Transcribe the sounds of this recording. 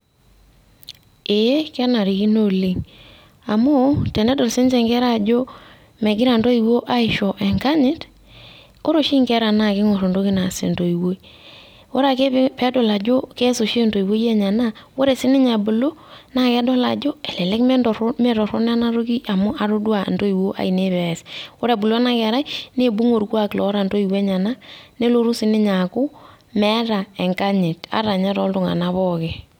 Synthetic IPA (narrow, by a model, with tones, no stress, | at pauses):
e˨je˦kɛ˦na˨ɾi˨ki˦no˦˨li˨ŋ | a˨mʊ˦tɛ˨ne˦do˨lsi˦nt͡ʃe˨ŋkɛ˦ɾa˦˨d͡ʒo˦ | me˨ɡɪ˦ɾa˨nto˦i˨wo˦ʔa˦ɪ˨ʃo˨ʔe˨ŋka˦ɲɪ˦t | o˦ɾo˨ʃi˦ŋkɛ˦ɾa˨na˦˨kɪ˦ŋo˨ɾo˨ndo˦ki˦na˨sḛ˨nto˨i˨wo˦i˦ | wo˦ɾa˨ke˦pɛ˦do˨la˨d͡ʒo˦ke˦so˨ʃe˦nto˨i˨wo˦je˦˨ɲa˨na˦wo˦ɾe˨sɪ˦nɪ˦ɲa˨bu˨lo˦na˨kɛ˦dɔ˦la̰˨d͡ʒo˦ɛ˨lɛ˨lɛ˦kmɛ˦ndɔ˨ɾme˦˨ɾɔ˨ɾo˦n˦a˦na˦ɾo˦ki˦ʔa˨mʊ˦ʔa˨ɾo˦dwa˨ndo˦i˨wo˦ʔa̰˨i˨ne˦βɛ˨swo˦ɾe˨bu˨lna˦kɛ˨ɾa˦jne˦bu˦ŋo˨ɾkwa˦klɔ˨˦ɾa˨ndo˦i˨we˦ɲa˨na˦ne˦lo˦ɾu˦sɪ˦nɪ˦ɲa˨kʊ˦ | mɛ˦ɾa˨ɛ˨ŋka˦ɲe˨ta̰˨˦ɾa˨ɲa˦ɾɔ˦ltʊ˨ŋa̰˨na˦βɔ˦ke˨